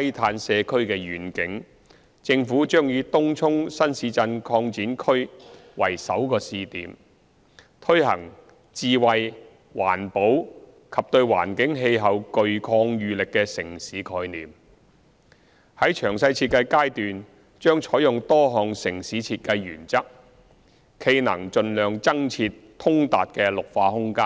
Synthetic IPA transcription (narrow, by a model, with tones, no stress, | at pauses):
ɐ˥jt̪ʰaː˧nsɛː˧kʰɵ˥ɥkɛː˧jyː˨˩nkɪ˨˥ŋ | t͡sɪ˧ŋfuː˨˥t͡ʃœː˥ŋjyː˨˧t̪ʊ˥ŋt͡sʰʊ˥ŋsɐ˥nsiː˨˧˥t͡sɐ˧nkʰɔː˧ŋt͡siː˨˥nkʰɵ˥ɥwɐ̰˨˩jsɐ˨˥wkɔː˧siː˧t̪iː˨˥m | t̪ʰɵ˥ɥhɐ̰˨˩ŋ | t͡siː˨wɐ˨˧j | wa̰ː˨˩npo˨˥w | kʰɐ˨p̚t̪ɵ˧ɥwa̰ː˨˩nkɪ˨˥ŋɦe˧jɦɐ˨wkɵ˨ɥkʰɔː˧ŋjyː˨lɪ˨kːɛ˧sɪ˨˩ŋsiː˨˥kʰɔː˧jniː˨m | hɐ˨˥jt͡ʃʰœː˨˩ŋsɐ˧jt͡sʰiː˧t̚kɐ˧jkaː˥jt̪yː˨n | t͡ʃœː˥ŋt͡ʃʰɔː˨˥jʊ˨ŋt̪ɔː˥ɦɔː˨ŋsɪ˨˩ŋsiː˨˥t͡sʰiː˧t̚kɐ˧jːyː˨˩nt͡sɐ˥k̚ | kʰe˧jnɐ̰˨˩ŋt͡ʃɵ˧nlœː˨ŋt͡sɐ˥ŋt͡sʰiː˧t | t̪ʰʊ˥ŋt̪a̰ː˨t̚kɛː˧lʊ˨k̚faː˧hʊ˥ŋkaː˥n